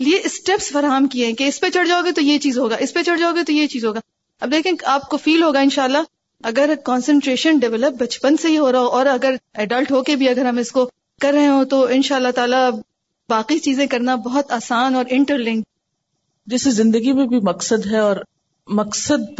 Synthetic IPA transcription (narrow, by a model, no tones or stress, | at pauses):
lieʔɪsʈɛpsfɐɾaːɦəmkieɛ̃keɪspet͡ʃɐɽd͡ʒaːoɡit̪ojet͡ʃiːzɦoːɡaːʔɪspet͡ʃɐɽd͡ʒaːoɡit̪ojet͡ʃiːzɦoːɡaː | ɐbd̪eːkʰẽːaːp̚kofiːlɦoːɡaɪ̃nʃaːəlːa | ɐɡəɾkɔ̃ːnsə̃ɳʈɾeːʃənɖɛʋɛləp̚bɐt͡ʃpənseɦiɦoːɾaaoʔɔːɾɐɡəɾɛːɖəlʈɦoːkebʱiɐɡəɾɦɐmɪsko | kɐɾːɛɦẽɦõt̪oɪ̃nʃaːlːaɦt̪aːla | baːqit͡ʃiːzẽkɐɾnabɔɦʊt̪aːsaːnɔːɾʔɪ̃ɳʈəɾlɪ̃ŋɡ | d͡ʒɛːsezɪ̃nd̪əɡimẽbʱimɐksəd̪ɦɛɔːɾ | mɐksəd̪̚